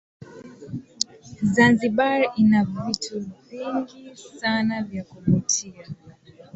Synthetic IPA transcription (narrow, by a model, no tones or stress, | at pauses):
zanziɓainavituviŋɡisanavjakuvutʰia